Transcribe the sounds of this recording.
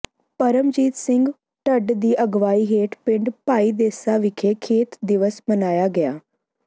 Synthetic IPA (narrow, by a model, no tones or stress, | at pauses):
pəɾəmd͡ʒiːt̪sɪŋɡ | ʈəɖd̪iːʔəɡʋaːiːɦeːʈpɪ̃ɳɖpaːiːd̪eːsaːʋɪkʰeːkʰeːt̪d̪ɪʋəsmənaːjaːɡɪaː